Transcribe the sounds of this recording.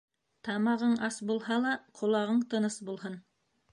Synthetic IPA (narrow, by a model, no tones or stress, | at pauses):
t̪ɑmɑʁɤɴɑsbulˠhɑlˠɑqʰŏlˠɑʁɤɴt̪ɤ̆nɤsbulˠɦɤn